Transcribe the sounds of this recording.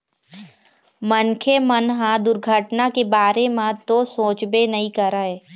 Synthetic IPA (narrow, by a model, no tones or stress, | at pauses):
mənkʰemənɦãd̪ʊɾɡʱəʈnakebaːɾemãt̪osoːt͡ʃbenɐɦĩkɐɾaeː